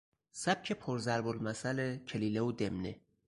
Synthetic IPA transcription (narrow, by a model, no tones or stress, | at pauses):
sæb̥̚cʰepʰoɾzæɾbolmæsælecʰeliːleod̪emnḛ